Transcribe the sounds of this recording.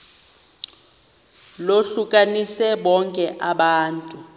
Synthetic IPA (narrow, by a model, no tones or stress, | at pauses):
loɬukʼanisɛɓɔŋkʼɛʔaɓaːntʼu